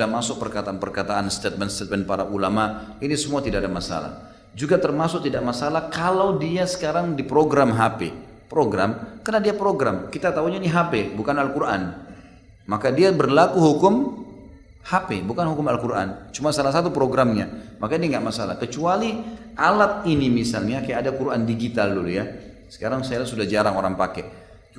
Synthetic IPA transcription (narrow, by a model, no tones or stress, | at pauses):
amasʊk̚pərkat̪aanpərkat̪aʔanst̪ɛt̪̚mɛnst̪et̪̚mɛnpaɾaʔulamainisəmuat̪idaʔadamasa̰la̰ | d͡ʒuɡat̪ərmasʊk̚t̪idaʔmasalahkalawdiasə̥kaɾaŋdipɾoɡɾamɦapḛ | pɾoɡɾa̰mkənadiapɾoɡɾa̰mkit̪at̪auɲainiɦapebukanalkuɾʔa̰n | makadiabərlakuɦukʊm | hapebukanhukʊmalkuɾʔa̰nt͡ʃumasalas̬at̪upɾoɡɾamɲa̰makainiŋɡaʔmasala̰hkət͡ʃualiʔalat̪̚inimisalɲakajaʔadakuɾandiɡit̪aldulja | sə̥kaɾaŋsajalasudahd͡ʒaɾaŋoɾaŋpakɛ